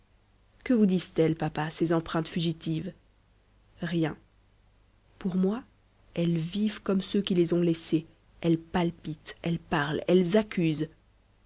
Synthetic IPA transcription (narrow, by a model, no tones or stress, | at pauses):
kəvud̪izt̪ɛlpapasezɑ̃pχɛ̃t̪fyʒit̪iv | ʁjɛ̃ | puʁmwa | ɛlvivkɔmsøkʲilezɔ̃lɛse | ɛlpalpit̪ɛlpaʁlɛlzakʲyz